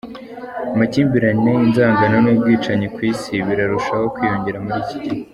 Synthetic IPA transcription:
amaciːmbiɾaɲejinzaːŋɡananuːb̚ɡiːt͡ʃaɲekwiːsiβiɾaɾuʃaho̞kwiːjo̞ɲɟe̞ɾamuɾici̥ɟihe

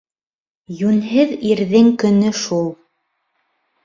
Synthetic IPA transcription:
jʉnɦɘðiɾðɘŋkɵ̆nɵʃulˠ

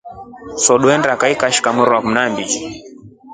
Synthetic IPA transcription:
sɔɗuɛndakaikaʃi̥kamuɾakm̩nambid͡ʒi

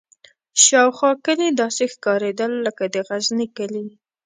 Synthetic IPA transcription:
ʃɑwxwɑkəlid̪ɑsexkɑɾed̪əlːəkad̪əɣaznikəli

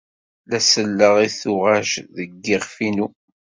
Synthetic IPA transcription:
læsəlːəʁiθʊʁæʃðəɡːɪʁfinu

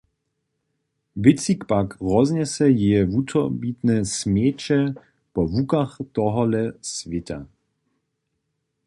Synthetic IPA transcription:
ʋɪt͡sikpakʁɔznɛsɛjeɛvut̪ʰɔbit̪nɛsmeːt͡ʃɛ | pɔvukaχt̪ɔɦɔlɛsʋɪt̪ʰa̰

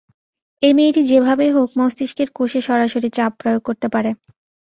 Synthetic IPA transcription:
emejʈid͡ʑebʱabeɦok̚mɔst̪iʃkeɾkoʃeʃɔɾaʃoɾit͡ɕap̚ːɾojoɡ̚koɾt̪epaɾe

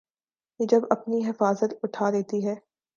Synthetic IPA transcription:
jed͡ʒɐbɐpniɦɪfaːzət̪ʊʈʰaːɾɛɦt̪iɦɛː

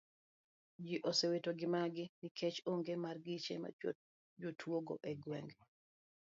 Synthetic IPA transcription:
d͡ʒiʔosewetoɡɪmaɡɪnɪkʰet͡ʃoŋɡemarɡit͡ʃḛma̰ | d͡ʒotʰwoɡo̰ʔeɡwɛ̰ŋɡ

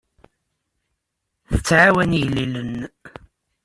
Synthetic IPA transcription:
θə̥t͡sːʕawænijlːilən

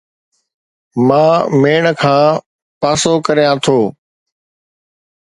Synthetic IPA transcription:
mãːmeːɳəkʰãː | paːsoːkəɾijãːt̪ʰoː

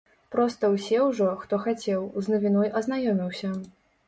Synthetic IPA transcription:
pɾɔst̪ɐwsʲɛwʐɔxt̪ɔxat͡sʲɛwznɐvʲinɔjʔɐznajɔmʲiwsʲɐ

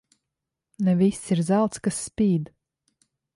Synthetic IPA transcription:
nɛvisːiɾzalˠt̪skasːpʲiːd̪

